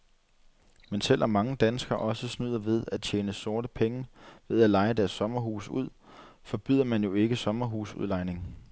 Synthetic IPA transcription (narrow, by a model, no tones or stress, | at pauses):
mensel̰ʔɒ̽mːɑ̈ŋəd̥ænsɡ̥ɐʔɒ̽səsnyð̞̰ˠɐʋe̝ð̞ˠæt͡ɕʰeːnəso̝ɐɾəpʰeŋəʋe̝ð̞ˠælɑ̈ɪəd̥æɐsːɒ̽mɐɦṵːsuð̞̰ˠ | fɒ̽b̥yð̰ˠɐmænjo̝e̝ɡ̥əsɒ̽mɐɦṵːsṵðˠlɑ̈ɪne̝ŋ